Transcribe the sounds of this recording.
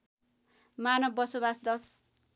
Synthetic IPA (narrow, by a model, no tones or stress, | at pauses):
manʌbːʌsobasd̪ʌs